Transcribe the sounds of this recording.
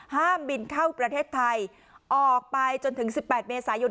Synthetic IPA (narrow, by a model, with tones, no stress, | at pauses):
haː˥˩mbi˧nkʰa˥˩wpɾa˧t̪ʰeː˥˩t̪ʰːa˧j | ʔɔː˨˩k̚pa˧jt͡ɕo˧nt̪ʰɯ˩˦ŋsi˨˩pːɛː˨˩t̪̚meː˧saː˩˦jo˧